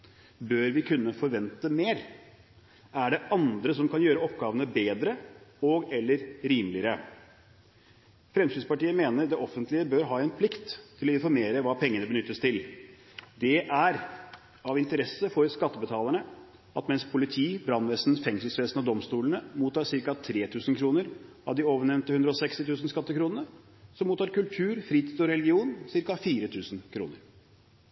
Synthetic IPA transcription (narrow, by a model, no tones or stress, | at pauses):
bøːɾʋɪkʰʉnːəfɔɾʋɛnt̪əmeːɾ | æɖɛɑnd̪ɾəsɔmkʰɑnjøːɾəɔpɡɑːʋənəbeːd̪ɾəɔɡɛlːəɾɾiːmlɪəɾə | fɾɛmsid̪spɑʈiːəmeːnəɾd̪ɛʔɔfənt̪lɪəbøːɾɦɑːɛnpʰlɪkt̪ʰːɪlɔɪnfɔɾmeːɾəʋɑːpʰɛŋːənəbənʏt̪ːəst̪ʰɪl | d̪ɛʔæɾ | ɑʋɪnt̪əɾɛsːəfɔɾskɑt̪ːəbət̪ʰɑːləɳə | ɑt̪mɛnspʰʊlɪt̪ʰiːbɾɑnʋɛsn̩fɛŋsəlsʋɛːsnɔd̪ɔmst̪uːlənəmuːt̪ɑːsɪɾkɑt̪ʰɾeːt̪ʰʉːsn̩kʰɾuːnəɾ | ɑ̰ʋd̪ɪoːʋəɳɛʋnt̪əhʉnd̪ɾəɔsɛkst̪ɪt̪ʰʉːsn̩skɑt̪ːəkʰɾuːnənə | sɔmuːt̪ɑːɾkʉlt̪ʰʉːɾfɾiːt̪ʰiːd̪ɔɾɛlɡɪuːnsɪɾkɑfiːɾət̪ʰʉːsn̩kʰɾṵːnəɾ